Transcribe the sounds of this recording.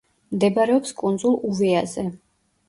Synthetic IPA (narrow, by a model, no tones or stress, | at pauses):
md̪ɛbaɾɛɔpskʼund̪zulˠuvɛazɛ